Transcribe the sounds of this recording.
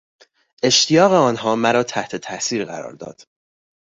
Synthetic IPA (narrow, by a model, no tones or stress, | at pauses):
e̞ʃt̪ʰijɒːɣeɒːnɦɒːmæɾɒːt̪ʰæht̪ʰe̞t̪ʰæʔsiːɾɢæ̰ɾɒ̰ːɾd̪ɒ̰ːd̪̥